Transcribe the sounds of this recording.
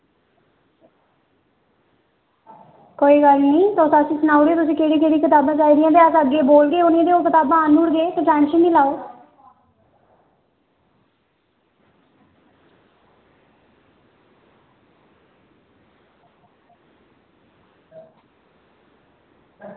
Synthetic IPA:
koːiːɡəlnĩːt̪oːsasĩːsənaːʊɽeːt̪ʊsĩːkeːɽiːkeːɽiːkɪt̪aːbãːt͡ʃaːiːd̪ɪjãːt̪eːəsəɡeːboːlɡeːʊnẽːd̪eːoːkɪt̪aːbãːnuːɽɡeːt̪õːʈɛːnʃəndiːlaːoː

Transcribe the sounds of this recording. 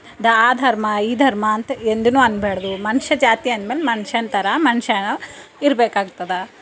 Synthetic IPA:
d̪ɐaːd̪ʱɐɾmɐiːd̪ʱɐɾmɐːnt̪ɐend̪unuːɐnbeːɽɐd̪umɐnʃɐd͡ʒaːt̪ijɐnd̪meːlemɐnʃɐnt̪ɐɾɐmɐnʃɐnɐiɾbeːkaːɡut̪ɐd̪ɐ

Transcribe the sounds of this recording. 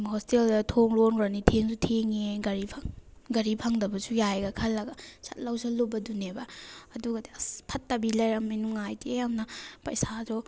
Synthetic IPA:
hosteldɐtʰoŋɾonɾanitʰeŋsutʰeŋeɡɐɾipʰaŋɡɐɾipʰaŋdɐbɐsujajɡɐkʰɐlːɐɡɐsɐ̰t̚lɐwsɐlobɐdunebɐɐduɡɐdipʰɐtːɐbilɐjɾɐmːinuŋajdejamnɐpɐ̰jsazɔ

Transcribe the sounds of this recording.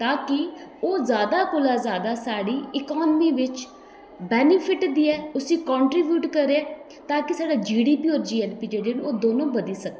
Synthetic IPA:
t̪ãːkɪoːzjaːd̪aːkʊlaːzjaːd̪aːsaːɽiːɪkɔːnmiːʋɪt͡ʃ | bɛːnɪpʰɪʈd̪iːɛːʊsĩːkɔ̃ːɳʈɾiːbjuːʈkəɾeɛː | t̪ãːkɪsaːɖaːd͡ʒiːɖiːpiːoːɾd͡ʒiːɛlpiːd͡ʒeːɽeːnũoːd̪oːnõːbəd̪iːsək̚d̪e

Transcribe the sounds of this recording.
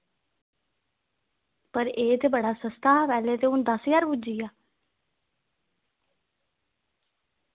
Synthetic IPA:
pəɾeːt̪eːbəɽaːsəst̪aːʋɛːleːt̪eːʊnd̪əsjaːɾbud͡ʒiːaː

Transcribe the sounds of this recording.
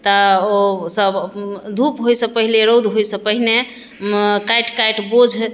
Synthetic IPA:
t̪əosəbd̪ʱupɦojsə̃pəɦileɾowd̪ʱɦojsə̃pəɦine | kajʈkajʈbod͡ʒʱ

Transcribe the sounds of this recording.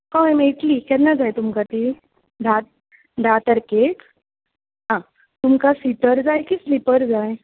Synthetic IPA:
kãɛmɛ̃iʈ̪likɛt̪nad͡zajt̪umkat̪i | d̪ʱat̪̚ | d̪ʱat̪əɾkek | ɦã | t̪umkasit̪əɾd͡zajkislipəɾd͡zaj

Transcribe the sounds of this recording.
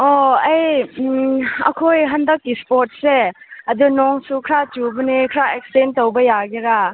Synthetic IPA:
ɔɐj | ɐ̰kʰojɦɐndɐkːispoɾt̚se | ɐd̪unɔŋsukʰɾat͡ʃubɐnikʰɾaek̚stentowbɐjaɡiɾa

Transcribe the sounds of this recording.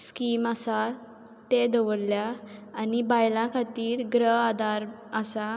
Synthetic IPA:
skiːmasa | t̪ed̪əʋəɽljaːnibajlãkʰat̪iːɾɡɾəɦad̪aɾ | əsa

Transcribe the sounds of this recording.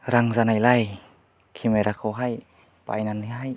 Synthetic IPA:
ɾaŋzanajlaj | kʰimeɾakʰowɦaj | pa̰jnaniɦaj

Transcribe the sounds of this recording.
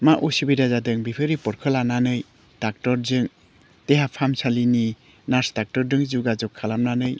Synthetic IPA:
maʔusibidazadɯŋbipʰɯɾipɔɾkʰɯlananɯj | d̥ak̚tɔɾzɯŋ | teɦapʰamsalini | naɾsdak̚tɔɾdɯŋzuɡazɔkʰːalamnanɯj

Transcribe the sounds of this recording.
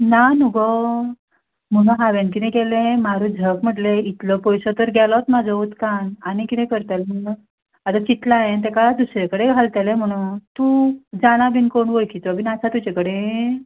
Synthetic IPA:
nanuɡɔ | m̤əɽ̃ũɦaʋenkinẽkɛlẽmaɾud͡zʱəkm̤əʈleit̪ləpɔjsət̪əɾɡʱɛlɔt̪mad͡zʱɔut̪kananikit̪ɛ̃kəɾt̪alm̤ən | at̪at͡ɕit̪laẽnt̪ɛkalad̪usɾekəɽeɡʱalt̪alẽm̤əɽ̃ut̪ud͡zaɽ̃abinkoɳʋojkʰit͡s̪ʋabinasat̪ut͡ɕekəɽe

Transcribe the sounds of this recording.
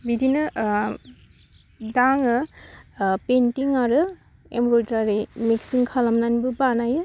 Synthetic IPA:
bidʱinɯ | daŋɯ | pentiŋaɾɯ | emboltaɾimeksiŋkʰalamnanbɯbanajɯ

